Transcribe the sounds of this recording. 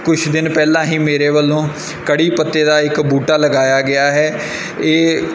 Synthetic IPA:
kʊt͡ʃʰd̪ɪnpɛːlãːɦĩːmeːɾeːʋəlːõː | kəɽiːpət̪ːeːd̪aːɪkbuːʈaːləɡaːjaːɡɪaːɦɛː | eː

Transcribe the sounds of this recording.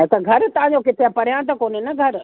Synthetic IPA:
et̪ɐɡʱɐɾt̪ɐɦãɲd͡ʑokɪt̪ʰepɐɾ̤ijãt̪ɐkoːnenɐɡʱɐɾ

